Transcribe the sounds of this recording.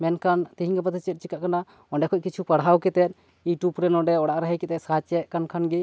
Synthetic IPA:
mɛnkant̪iɦĩŋɡapat̪ʰɛt͡ʃɛt̪̚t͡ʃikaʔkana | ɔɳɖɛkʰɔc̚kit͡ʃʰupaɽɦawkɛt̪ɛt̪̚ˀ | iʈupɾɛnɔɖɛɔɽaʔɾaɦɛjkɛt̪ɛt̪sat͡ʃɛʔkankʰanɡi

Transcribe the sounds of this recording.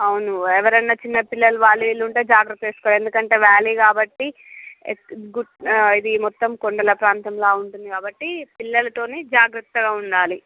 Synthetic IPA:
ɐwunuɛʋɐɾɐnːɐt͡ʃinːɐpilːɐluʋaːɭːiʋiluɳʈeːd͡ʒaːɡɾɐt̪ːɐeːsu̥kɔaɐle̞nd̪ukɐɳʈe̞ːʋaːliːkaːbɐʈːi | ɡuid̪imɔt̪ːɐmkoɳɖɐlɐpɾaːnt̪ɐmlaːuɳʈund̪ikaːbɐʈːipilːɐlɐt̪o̞ːneːd͡ʒaːɡɾɐt̪ːɐɡaːuɳɖaːli

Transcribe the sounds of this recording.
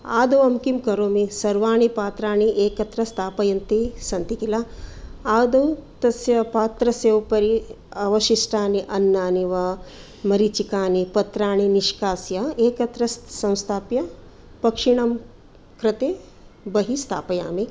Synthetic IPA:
a̰ːd̪ɐwɐmkimkɐɾoːmisɐɾʋaːɳipaːt̪ɾaːɳiʔeːkɐt̪ɾɐst̪ʰaːpɐjɐnt̪isɐnt̪ikilaaːd̪ɐwt̪ɐsjɐpaːt̪ɾɐsjewpɐɾi | ɐʋɐʃisʈʰaːniʔɐnːaːniʋɐ | mɐɾit͡ʃikaːnipɐt̪ɾaːɳ̃iniʃkaːsjɐeːkɐt̪ɾɐssɐ̃w̃st̪ʰaːpjɐ | pɐkʂiɳ̃ɐm | kɾɪt̪eː | bɐɦist̪ʰa̰ːpɐja̰ːmi

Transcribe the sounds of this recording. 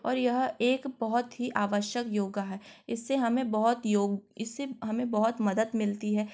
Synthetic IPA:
ɔːɾjɐɦeːkbɐɦʊt̪ɦiʔaːʋəʃjəkjoːɡaɦɛːɪsːeɦɐmẽbɐɦʊt̪joːɡɪsːeɦɐmẽbɐɦʊt̪mɐd̪əd̪mɪlt̪iɦɛː

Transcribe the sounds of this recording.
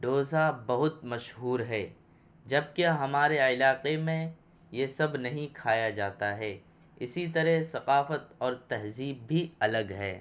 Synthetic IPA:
ɖoːzabɐɦʊt̪mɐʃɦuːɾɦɛː | d͡ʒɐb̚keɦɐmaːɾeɪlaːqemẽ | jesɐbnɐɦĩkʰaːjad͡ʒaːt̪aɦɛː | ɪsit̪ɐɾɛɦsɐqaːfət̪ɔːɾt̪ɐɦziːb̚ːʱiɐləɡɦɛ̰ː

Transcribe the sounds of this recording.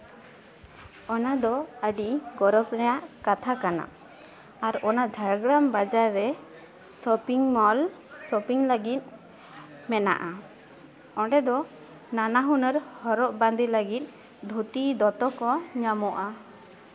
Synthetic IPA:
ɔnad̪ɔəɖiɡɔɾɔbɾɛjaʔkat̪ʰakana̰ | aɾɔnad͡ʒʱajaɡɾambad͡ʒaɾːɛ | sɔpiŋmɔlsɔpiŋləɡit̪̚ˀ | mɛna̰ʔa | ɔɳɖɛd̪ɔ | nanaɦunəɾhɔɾɔʔband̪iləɡit̪̚ˀ | d̪ʱut̪id̪ɔt̪ɔkɔɲamɔʔa

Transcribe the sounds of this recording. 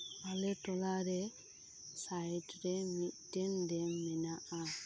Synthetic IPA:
alɛtɔlaɾɛ | sajtɾɛmitːɛndɛmɛnaʔa

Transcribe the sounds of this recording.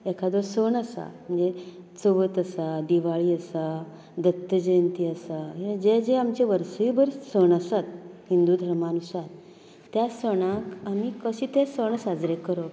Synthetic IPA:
ekʰad̪oɾsəɳəsa̰m̤əɳd͡ze | t͡səʋət̪əsad̪iʋaɭiːəsa | d̪ət̪ːəd͡ʑent̪iːəsaɦd͡ʑed͡ʑeamt͡ɕeʋəɾsijbəɾsəɳəsat̪̚ɦind̪ud̪ʱəɾmanusat̪ː | jasəɽ̃ãkamiːkəɕit̪esəɳ̃sad͡zɾekəɾo

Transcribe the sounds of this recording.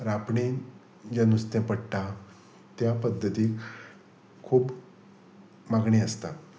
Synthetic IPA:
ɾapɳi | d͡ʑanust̪ẽpəɽʈ̪a | t̪japəd̪ʱːət̪iːk | kʰːuːp | maɡɳiːəst̪a̰

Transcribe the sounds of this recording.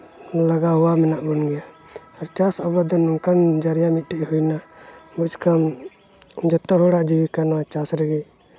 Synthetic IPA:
laɡaɦuwamɛnaʔbɔnɡɛja | aɾt͡ʃasabad̪ɔnuŋkand͡ʒaɾjamit̪̚ˀʈɛʔhujnabut͡ʃkam | d͡ʒɔt̪ːɔɦɔɽaʔd͡ʒiwikanwat͡ʃasɾɛɡɛ

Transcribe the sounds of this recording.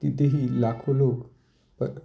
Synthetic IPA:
t̪it̪eɦilakʰolok | pəɾ

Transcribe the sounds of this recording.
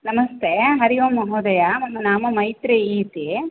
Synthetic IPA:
nɐmɐst̪eːɦɐɾijoːmɐɦoːd̪ɐjamɐmːɐnaːmɐmɐjt̪ɾeiːt̪i

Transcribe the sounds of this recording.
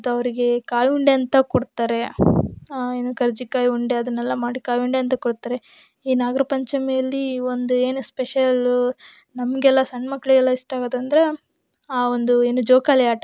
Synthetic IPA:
t̪uɐʋɐɾiɡe̞kaːjuɳɖeɐnt̪ɐkoɽt̪ːaːɾe̞ | eːnukɐɾd͡ʒikaːjuɳɖe̞ɐd̪ɐnːɛlːɐmaːɽikaːjuɳɖeɐnt̪ɐkɔɽt̪ːaːɾe̞ | iːnaːɡɐɾɐpɐɲt͡ʃɐmejɐlːio̞nd̪ue̞ːnuspeʃɐl | nɐmɐɡɛlːɐsɐɳːmɐkːɐɭiɡɛlːɐiʂʈaːɡɐd̪ɐnd̪ɐɾe̞ | aːond̪ue̞ːnud͡ʒoːkaːljaːʈɐ

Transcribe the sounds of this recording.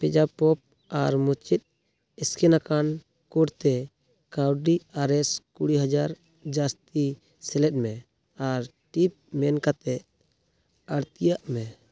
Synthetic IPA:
pɛd͡ʒapɔp̚ | aɾmut͡ʃit̪̚ | ɛskɛnakan | kɔɖt̪ɛ | kawɖiaɾɛskuɽiɦad͡ʒaɾ | d͡ʒast̪i | sɛlɛt̪̚ˀmɛ | aɾ | ʈip̚mɛnkat̪ɛ | əɾt̪ijaʔmɛ

